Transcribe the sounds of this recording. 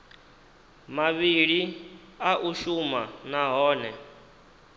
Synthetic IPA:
maβiɺi | aʔuʃumanaɦɔːnɛ

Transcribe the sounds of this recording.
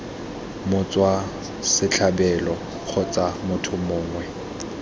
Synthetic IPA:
mʊt͡sʼwa | sɪt͡ɬʰabɛlɔ | k͡xʰʊt͡sʼamʊtʰʊmʊːŋwɛ

